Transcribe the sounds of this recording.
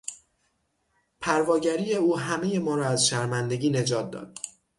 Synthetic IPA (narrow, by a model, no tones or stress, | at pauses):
pʰæɾvɒːɟæɾiːje̞uːɦæmeje̞mɒːɾɒːæzʃæɾmænd̪e̞ɡiːne̞d͡ʒɒːt̪̚d̪ɒ̰ːd̪̥̚